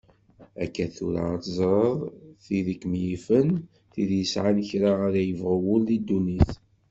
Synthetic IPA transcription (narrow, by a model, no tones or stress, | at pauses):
æ̰kːæθʊ̰ɾa̰t̪əzˤɾˤəðˤθiðikːmjifən | θiðjəsʕançɾaəɾæjəvʁəwʊlðid̪ːuniθ